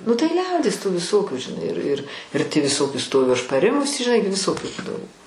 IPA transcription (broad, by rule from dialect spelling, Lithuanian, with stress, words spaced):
nʊ tɐɪ ˈlʲɛʊdʲiɛs tuː ʋʲɪˈsoːkʲuː ʒʲɪˈnɐɪ ɪr ɪr ɪr tʲiː ʋʲɪˈsoːkʲɪ ˈstoːʋʲʊ ɐʃ pɐˈrʲɪmʊs ʒʲɪˈnɐɪ ɡʲɪ ʋʲɪˈsoːkʲuː ˈbuːdɐʋoː